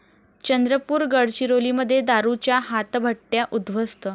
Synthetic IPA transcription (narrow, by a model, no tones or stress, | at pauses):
t͡ɕənd̪ɾəpuːɾɡəɽt͡ɕiɾoliːməd̪ʱːjed̪aɾut͡ɕjaɦat̪bʱəʈːjaʔud̪ʋəst̪ə